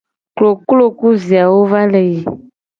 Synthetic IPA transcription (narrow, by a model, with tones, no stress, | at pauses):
klo˨klo˦˨ku˦zi˨a˨wo˦va˦le˨ji˨